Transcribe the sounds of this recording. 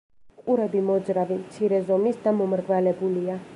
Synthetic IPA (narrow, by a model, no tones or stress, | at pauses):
qʼuɾɛbimɔd̪zɾavimt̪sʰiɾɛzɔmisd̪amɔmɾɡvalɛbulia